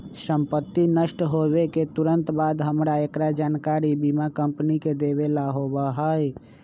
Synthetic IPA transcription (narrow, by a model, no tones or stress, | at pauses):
səmpət̪ːinəʃʈɦobeket̪uɾənt̪bad̪ɦəmɾaekɾad͡ʒaːnkaɾibimakəmpniked̪ebelaɦobəɦəj